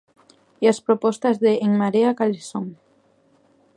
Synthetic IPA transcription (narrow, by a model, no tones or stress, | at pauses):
iaspɾopɔst̪azðeʔeŋmaɾeakalisoŋ